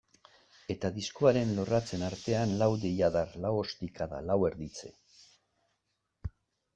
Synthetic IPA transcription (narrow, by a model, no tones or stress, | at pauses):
e̞t̪aðiskoaɾe̞nlo̞rat͡se̞naɾt̪e̞anlawðiʎaðarlawo̞st̪ikaða̰lawe̞ɾðit͡se̞̰